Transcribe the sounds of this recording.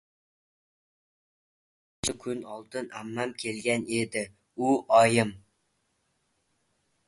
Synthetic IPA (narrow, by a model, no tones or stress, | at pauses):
ʃɪkʲʰynɑlˠt̪ɨnæmːæmkʲʰelɡʲɛned̪ɪ | uʔɑjɨm